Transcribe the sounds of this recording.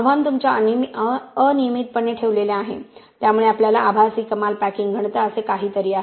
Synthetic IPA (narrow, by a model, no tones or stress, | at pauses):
bʱant̪umt͡ɕa | ənijəmit̪̚pəɳːeʈʰeʋleleaɦḛt̪jamuɭeapljalaʔabʱasiːkəmalpækiŋɡɡʱəɳ̃t̪əəsekaɦiːt̪əɾiːa